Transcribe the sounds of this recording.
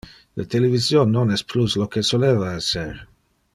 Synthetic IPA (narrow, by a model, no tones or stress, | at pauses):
lʔat̪elevisjonːonɛspluslokesoleːvaɛseɾ